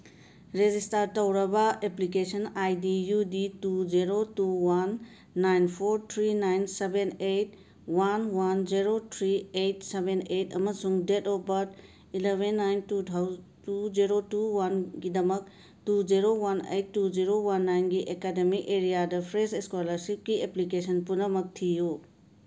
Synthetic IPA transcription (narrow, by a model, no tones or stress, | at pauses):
ɾed͡ʒistaɾtɐwɾɐbɐeplik̬esɐnajdijuditud͡ʒiɾotuwanː | ajnpʰoɾt̪ʰɾinajnsebenejt̚ | wanwand͡ʒiɾotʰɾiejt̚sebenejtɐ̰mɐsuŋdetɔbɐt | ilebʱenːajntutʰawtud͡ʒiɾotuwanɡidɐmɐk̚ | tud͡ʒiɾowanḛjtːud͡ʒiɾowanːajnɡiʔekademikeɾijadɐpʰɾeseskolɐɾsip̚ɡieplikesɐnpunɐmɐk̚tʰiju